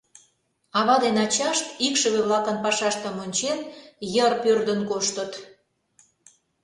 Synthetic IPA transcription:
ɑβɑd̪enɑt͡ɕɑʃt̪ikʃə̆βeβlɑkənpɑʃɑʃt̪ə̆monʲt͡ɕenjərpørd̪ənkoʃt̪ə̆t̪

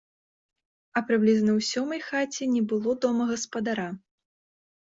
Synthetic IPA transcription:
ɐpɾɨblʲiznɐwsʲɔmɐjxat͡sʲinʲɛbɨlˠɔd̪ɔmɐɣɐspɐd̪aɾa

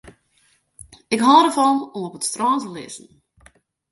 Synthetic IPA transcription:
ɪkɦɔːɾəfɔnumɔpətstrɔːntəlɪ̰sn̩

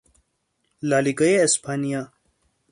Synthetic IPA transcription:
laːliɡɐjeːspʰaːnija

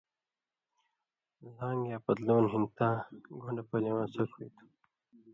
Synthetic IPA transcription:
zãːŋɡjaːpɐd̪loːnɦint̪ãːɡʱuɳɖapɐlewãːsɐkʰut̪ʰu̥

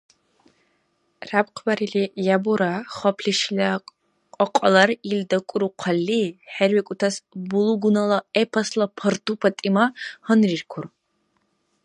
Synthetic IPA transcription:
rabqʰbɐɾilijabuɾaχɔpʰɬiʃlɐ | qʼɔqʷʼɐlɐɾild̪ɐkʷʼʊɾuqʰɐlːiħɛɾwɛkʷʼʊt̪ʰɐsbuluɡunɐlɐepʰɐslɐpʰɐrt̪ʰʼupʰɐtʼimahənrirkʷʰʊr

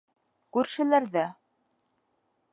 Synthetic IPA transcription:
kʉɾʃɘ̆læɾðæ

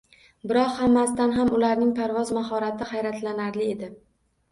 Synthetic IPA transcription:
bɪɾɒqhamːast̪anɦamʊlaɾnɪŋpʰaɾvɒzmaɦɒɾat̪ʰɪhajɾat̪ʰlanaɾlɪe̞d̪ɪ

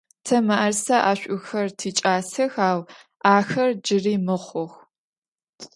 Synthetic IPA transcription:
tʰɐmɐʔɐrsɐʔaːɕʷʼʔʊxɐrtʰiːt͡ʃʼaːsɐxaːw | aːxɐrd͡ʒɪriːmɨχʷɔx

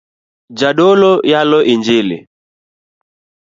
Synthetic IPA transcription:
d͡ʒaɗolɔjalɔʔind͡ʒilḭ

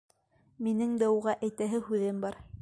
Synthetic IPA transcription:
minɘŋd̪æuʁɑʔæjt̪æɦɘhʉðɘmbɑɾ

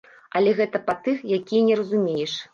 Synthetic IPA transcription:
ɐlʲɛɣɛt̪ɐpat̪ɨxjakʲijɐnʲɛɾɐzumʲejɛʂ

